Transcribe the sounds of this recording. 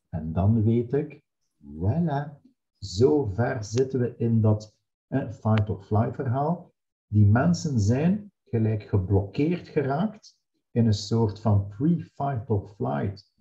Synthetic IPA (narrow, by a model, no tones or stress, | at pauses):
ɛndɑnʋeːtɪk | wɛlə | zoːvɛrzɪtənʋəʔɪndɑt | əfajtɔlflajtfərɦaːlˠ | dimɛnsənzɛjn | ɣəlɛjkxəblɔkeːrtxəraːkt | ɪnənsoːrtfɑnpɹifajtəlˠfla̰jt